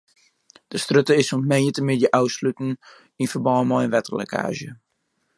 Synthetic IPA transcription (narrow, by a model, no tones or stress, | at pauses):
d̥əstrøtəɪsuntmejətəmɪtjəʔawslytn̩ | infərbɔːəmɔjənʋɛtəlɛ̰kʰa̰ːʒjə